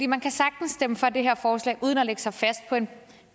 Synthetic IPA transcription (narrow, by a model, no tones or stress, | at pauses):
dḭːmænkʰæsɑ̈ɡ̥̚d̥n̩sd̥eməfɒ̽d̥e̝ɦeɐ̰fɒːslɛ̰ːʔuːð̞ˠən̩ɒleɡ̥ə̥sɑ̈ɪfæsd̥̚pʰɒ̽e̝n